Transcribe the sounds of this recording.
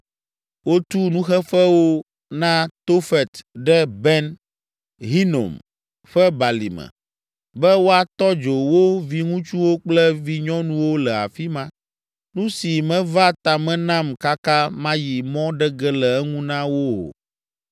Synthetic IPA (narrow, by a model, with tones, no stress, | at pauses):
wo˦t̪u˦nũ˦xɛ˦fɛ˦wo˦ | nã˦t̪o˦fɛ˨t̪ɖɛ˦bɛ˦n | ɦi˦no̰˨m | ɸɛ˦ba˨lḭ˨mɛ̰˨ | bɛ˦wo˦a˨t̪ɔ˦d͡ʒo˨wo˦vi˦ŋũ˦t͡ʃu˦wo˦k͡plɛ˦vi˦ɲɔ̃˦nũ˦wo˦lɛ˨a̰˨fi˦mã˦ | nũ˦si˨mɛ̃˨va˦t̪a˨mɛ̃˦nã˦mka˦ka˦mã˦ji˨mɔ̃˦ɖɛ˦ɡɛ˦lɛ˨ɛ˦ŋũ˦nã˦wo˦o̰˨